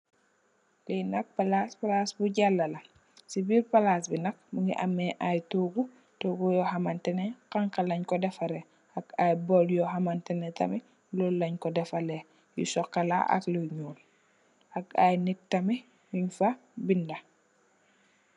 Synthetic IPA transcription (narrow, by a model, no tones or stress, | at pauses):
linɐk̚palaspalasbuɟalːɐlɐ | sibiɾpalaːsbinɐk̚muɡḭʔa̰mːɛʔajtuːɡu | toɡujɔhamantɛnɛkaŋkalɐɲkɔdɛfaɾɛ | ɐkajbɔljɔɦamantɛnɛtɐ̰mi | lɔlːɐɲkɔdɛfale | jṵsɔkːala̰ʔɐ̰kloɲuːn | aka̰jnik̚tɐmi | juɲfabindɐ